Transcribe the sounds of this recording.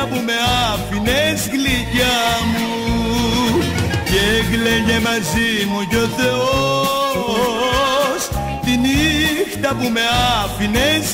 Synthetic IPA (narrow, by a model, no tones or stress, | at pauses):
ɐpume̞ɐfinezɣlicɐmu | ceɣleʝemɐzimuʝoθeo | s | t̪inixt̪ɐpume̞ɐfines